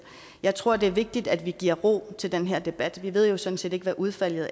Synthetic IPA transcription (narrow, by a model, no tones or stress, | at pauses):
jɑ̈ɪt͡sʰʁo̝ɐ̰d̥e̝æɐʋe̝ɡ̥̚d̥id̥æd̥ʋiɡ̥iɐ̰ʁo̰ːt͡sʰe̝ld̥enɦeɐ̰d̥e̝b̥æd̥ʋiʋe̝ð̞̰ˠjo̝sɒ̽d̥n̩se̝̰ːd̥e̝ɡ̥ʋæʔuð̞ˠfæl̰jð̩ˠ